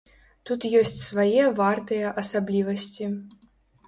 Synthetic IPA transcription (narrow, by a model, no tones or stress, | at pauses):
t̪ut̪jɔsʲt͡sʲsvajɛvart̪ɨjɐʔɐsablʲivɐsʲt͡sʲi